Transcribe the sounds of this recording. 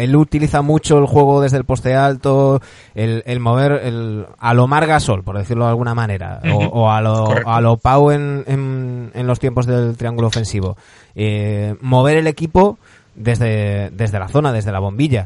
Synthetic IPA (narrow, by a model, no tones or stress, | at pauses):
e̞lut̪iliθamut͡ʃo̞elxwe̞ɣ̞o̞ðe̞zðe̞lpo̞st̪e̞alt̪o | elelmo̞β̞e̞ɾelalo̞maɾɣaso̞lpo̞ɾðe̞θiɾloalɣunamãne̞ɾa̰oaloalo̞pawe̞nenenlo̞st̪jempo̞zðe̞lt̪ɾiaŋɡuloːfe̞nsiβ̞o̞̰ | emo̞β̞e̞ɾe̞le̞kipo̞ | ðe̞zðe̞d̪e̞zðe̞laθo̞naðe̞zðe̞laβ̞o̞mbiʎa